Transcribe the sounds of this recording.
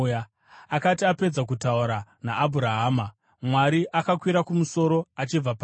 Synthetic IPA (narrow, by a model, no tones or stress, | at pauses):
akatiape̞d͡zak̬utauɾanaʔːbʱuɾaɦaːma | mwaɾiʔakakwiɾakumuso̞ɾo̞at͡ʃib͡vapː